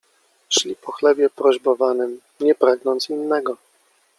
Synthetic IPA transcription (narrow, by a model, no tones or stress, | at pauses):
ɕlʲipɔxlɛbʲjɛpɾɔʑbɔvanɘm | ɲɛpɾaɡnɔnt̪sinːɛɡɔ